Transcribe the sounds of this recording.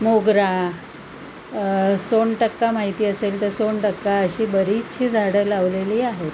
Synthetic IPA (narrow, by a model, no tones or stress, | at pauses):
moɡɾa | soɳʈəkːamaɦit̪iːəselt̪əɾsoɳʈəkːaəɕiːbəɾit͡ɕʰiːd͡zʱaɽəlaʋleliːaɦet̪